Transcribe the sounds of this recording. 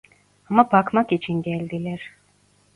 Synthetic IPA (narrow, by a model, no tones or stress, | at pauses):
amabakʰmakit͡ʃʰiŋɡɛlʲd̪ilɛɾ